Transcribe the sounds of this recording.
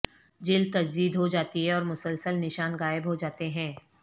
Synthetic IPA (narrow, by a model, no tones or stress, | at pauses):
d͡ʒɪlt̪ɐd͡ʒd̪iːd̪ɦod͡ʒaːt̪iɦɛɔːɾmʊsəlsəlnɪʃaːnɣaːɪbɦod͡ʒaːt̪eɦɛ̃ː